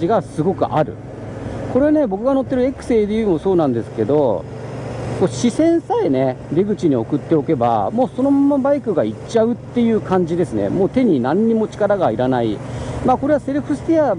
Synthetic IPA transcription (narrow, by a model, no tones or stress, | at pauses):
iɡasɨɡo̞kɯ̟̰ʔaɾɯ̟̰ | ko̞ɾe̞ane̞bo̞kɯ̟ɡano̞t̪ːe̞ɾɯ̟e̞kɯ̟̥se̞ːd̪ejɯːmo̞so̞ːnãnd̪e̞sɨ̥ke̞d̪o̞ | ko̞ːɕisẽ̞ɰ̃sae̞ne̞ɾeɡɯ̟t͡ɕiɲ̟io̞kɯ̟t̪ːe̞o̞ke̞ba̰mo̞ːso̞no̞mamːabaikɯ̟ɡait͡ɕːaɯ̟t̪ːe̞jɯ̟ːkãɲ̟d͡ʑid̪e̞sɨnḛmo̞ːt̪e̞ɲ̟inãɲ̟ːimo̞t͡ɕi̥kaɾaɡaiɾanaimaːko̞ɾe̞βase̞ɾɯ̟ɸɯ̟sɨ̥t̪ea